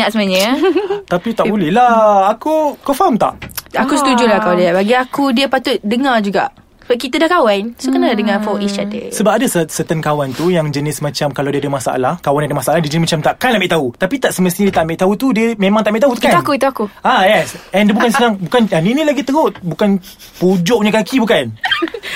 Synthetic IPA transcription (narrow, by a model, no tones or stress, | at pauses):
ɲaʔsəmɲət̪apit̪aʔbulɛhlahakukɔfamt̪a̰ʔakusət̪ud͡ʒulakawaliabaɡiakudiəpat̪ʊt̪̚dəŋard͡ʒuɡa̰ʔ | əbakit̪adahkawansokənəladəŋafɔiʃat̪̚ə̰səbap̚adassət̪ankawant̪ujaŋd͡ʒənɪsmãt͡ʃamkalawdiəadəmasaʔa̰lahkawandiadəmasaʔalahdiəd͡ʒənɪsmat͡ʃamt̪aʔkanlaʔmbiʔt̪aut̪apit̪aʔsəməst̪iɲadiət̪aʔmbɪʔt̪aut̪udiəmẽmaŋt̪aʔmeʔt̪aɦut̪ukaakut̪uakuajɛsɛndiəbukansənaŋbukananinĩlaɡit̪əɾʊt̪̚bukan | pud͡ʒɔʔɲəkakibukan